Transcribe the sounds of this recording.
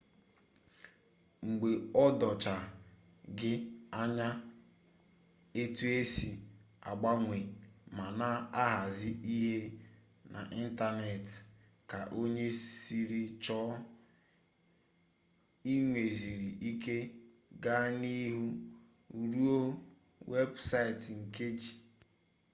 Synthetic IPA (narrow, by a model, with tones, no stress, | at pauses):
ŋ͡m̩˨ɡ͡be˨ɔ˦dɔ˨t͡ʃa˨ | ɡɪ˦a˦ɲa˦ | e˦tu˦e˦si˨ | a̰˨ɡ͡ba˦ŋʷe˨ma˨na˦a˦ɦa˨zɪ˦i˦ɦe˦ | nʔa̰˨ʔi˦n̩˦ta˦ne˨t | ka˨ʔo˦ɲe˦si˨ɾi˨t͡ʃɔ˦ | i˦ŋʷe˨zi˨ɾi˨ʔi˦ke˦ | ɡa˦ni˦ɦu˦˨ | ɾu˦o˦ | we˦bsa˦˨tŋ̩˨ke˦d͡ʒi˨